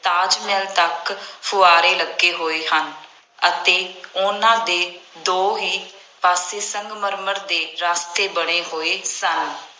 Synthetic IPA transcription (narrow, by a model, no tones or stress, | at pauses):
t̪aːd͡ʒmɛːlt̪əkpʰʊaːɾeːləɡeːɦoːeːɦən | ət̪eːʊnãːd̪eːd̪oːɦiː | paːseːsəŋɡməɾməɾd̪eːɾaːst̪eːbəɽ̃eːɦoːeːsən